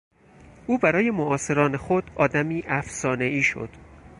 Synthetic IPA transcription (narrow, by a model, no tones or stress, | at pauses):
uːbæɾɒːje̞moʔɒːse̞ɾɒːne̞xod̪̥ɒːd̪æmiːʔæfsɒːne̞iːʃo̰d̪̥